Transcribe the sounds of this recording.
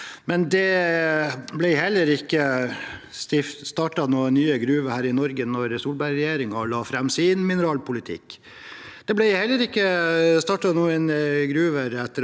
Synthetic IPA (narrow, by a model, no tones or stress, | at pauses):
mɛnd̪ɛ | blɛɪhɛlːəɾɪkːə | st̪ɪftst̪ɑːʈɑnuːənyːəɡɾʉːʋəhæːɾɪnɔɾɡənɔɾsuːlbæɪɾɛjeːɾɪŋɑlɑːfɾɑmsɪnmɪnəɾɑːlpʊlɪt̪ʰɪ̰kː | d̪̥ɛblæɪhɛlːəɾɪkːəst̪ɑːʈɑnuːənɡɾʉːʋəɾɛt̪ːəɾ